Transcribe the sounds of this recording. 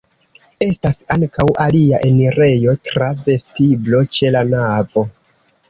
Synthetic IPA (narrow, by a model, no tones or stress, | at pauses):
e̞stasaŋkawʔaliaʔe̞niɾe̞jo̞tɾave̞stiblo̞t͡ʃe̞lanavo̞